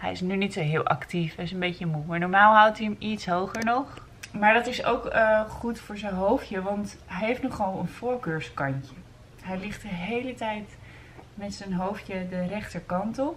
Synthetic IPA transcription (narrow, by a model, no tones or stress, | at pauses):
ɦɛ̰jɪsnynitsoɦɪːlˠʔɑ̰ktifɛjɪsənbejçəmumaːɹnɔɹmaːlˠɦʌwtiəmitsɦowχəɹnɔχ | maːɹdɑtɪso̰wkəχutfʊːɹzɛnɦowfjəʋɑntɦɛjɦeftnɔχʋɑlˠənfʊːɹkøːɹskɑɲcə | ɦɛjlɪχt̚dəɦejlətɛjt | mɛtsənɦowfjədərɛχtəɹkɑntɔp